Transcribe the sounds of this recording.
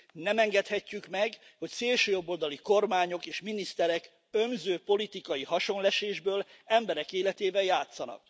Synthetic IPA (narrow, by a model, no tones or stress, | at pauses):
nɛmɛŋɡɛt̪hɛcːykmɛɡho̞cseːlʃøːjo̞bːo̞ld̪ɒliko̞rmaːɲo̞keːʃminist̪ɛɾɛk | ømzøːpo̞lit̪ikɒjihɒʃo̞nlɛʃeːʒbøːlɛmbɛɾɛkeːlɛt̪eːvɛjaːt̪sːɒnɒ̰k